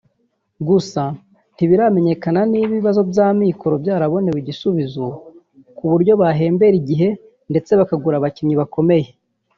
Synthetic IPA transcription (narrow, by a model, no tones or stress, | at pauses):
ɡusa | n̥tiβiɾame̞ɲe̞kananiβiβazo̞bjaːmiːko̞ɾo̞bjaːɾaβo̞neβiɟisuβizo | kuβuɾɟo̞βaɦe̞ːmbe̞ɾiɟiɦe̞ | nde̞t͡se̞βakaɡuɾaβacimɲiβako̞me̞je